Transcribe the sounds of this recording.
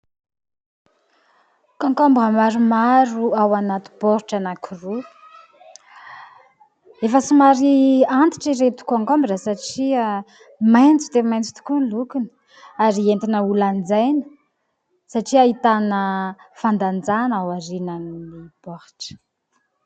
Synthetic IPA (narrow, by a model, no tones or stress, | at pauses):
kaŋkombuəmaɾumaɾuawanat̪u̥b̥oɾiʈ͡ʂanakʰuru | efəsimaɾiant̪i̥ʈ͡ʂiɾet̪u̥kaŋkombiɾasaʈ͡ʂia | majnt͡sid̪emajnt͡si̥t̪u̥kulukunə̥ | aɾient̪inəuland͡zajnə̥ | saʈ͡ʂiaɦit̪anəfand̪and͡zanawaɾinanimib̥ohi̥ʈ͡ʂə̥